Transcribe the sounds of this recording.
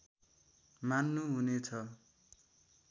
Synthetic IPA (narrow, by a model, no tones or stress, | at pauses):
manːuɦunet͡sʰʌ